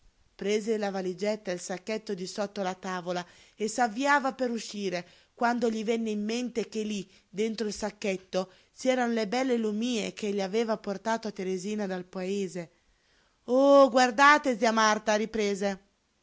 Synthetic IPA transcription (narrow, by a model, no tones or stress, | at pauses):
pɾeːzelavalid͡ʒɛt̪ːailsakːɛt̪ːod̪isɔt̪ːoalat̪aːvolaesavːiaːvapeɾuʃːiːɾe | kwand̪oʎivɛnːeimːent̪ek̟eli | d̪ent̪ɾoilsakːɛt̪ːo | siɛːɾanolebɛlːelumiːḛk̟eʎːiaveːvaport̪aːt̪oat̪ːeɾeziːnad̪alpaeːze | oɡward̪aːt̪eziamart̪aɾipɾeːze